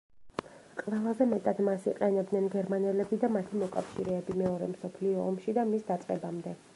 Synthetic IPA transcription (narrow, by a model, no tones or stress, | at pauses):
qʼvɛlazɛmɛt̪ʼad̪masiqʼɛnɛbd̪nɛnɡɛɾmanɛlɛbid̪amat̪ʰimɔkʼafʃiɾɛːbimɛɔɾɛmsɔpʰliɔːmʃid̪amisd̪at̪sʼqʼɛbamd̪ɛ